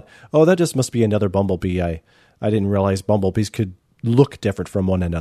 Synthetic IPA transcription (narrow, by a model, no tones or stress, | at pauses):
oʊðɨt̚d̥ʒ̥ʌs̚mʌsb̥iɨnʌðə˞bʌ̃mbl̩ˠbiaɪ | ʔaɪɾɪdⁿn̩t̚ɹiəlaɪzbʌ̃mbl̩ˠbiz̥kʰɨd̚ | lʊkd̥ɪfɹɨ̃ntfɹʌ̃mwʌ̃nɨ̃nʌə